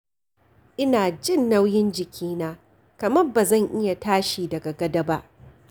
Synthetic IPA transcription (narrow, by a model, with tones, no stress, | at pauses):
ʔɪ˦naː˨d͡ʒɪ˦˨nːɐ˦wjɪ˦nd͡ʒɪ˨kʲʰiː˦naː˦ | kɐ˨mɐ˦rbaː˨zɐ˦˨ŋʔɪ˦ja˨taː˦ʃiː˨dɐ˨ɡa˨ɡɐ˦dɐ˦ba˦ʔ